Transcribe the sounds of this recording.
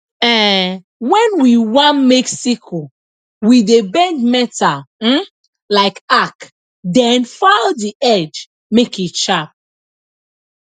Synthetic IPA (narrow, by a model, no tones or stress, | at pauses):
ɛ | wɛ̃nwiwãnmɛksikʰo | widebɛ̃ndmɛtam̩ | laɪkak | dɛ̃nfaldiʔɛd͡ʒ | mekit͡ʃap̚